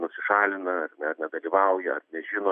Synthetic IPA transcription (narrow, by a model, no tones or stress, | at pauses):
nʊsʲɪʃɑːlʲɪnɐɐrnʲɛrnʲɛd̪ɐlʲiːʋɐʊjɛɐ̰rnʲɛʒʲɪnoː